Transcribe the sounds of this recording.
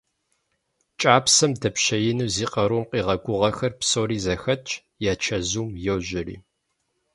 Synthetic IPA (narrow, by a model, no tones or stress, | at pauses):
t͡ʃʼaːpsɐmdɐpɕɐjɪnuziːqɐɾuːmqiːʁɐɡʷʊʁɐxɐrpsoːɾiːzɐxɐ | jaːt͡ʃʰɐzuːmjɛwʑɪrḭː